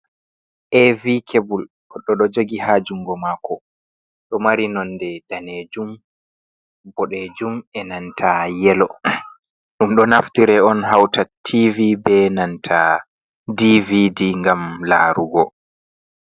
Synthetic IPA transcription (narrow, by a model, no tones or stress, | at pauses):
ʔevikʰebul | ɔɗɔɗɔd͡ʒoɡihad͡ʒuŋɡɔmaːkɔ | ɗɔmaɾinɔndɛd̥aned͡ʒum | bɔɗed͡ʒumɛnantʰajɛlɔ | ɗumɗɔnaftiɾɛɔnɦawtatʰːivibɛnantʰa | dividiŋɡamlaːɾuɡɔ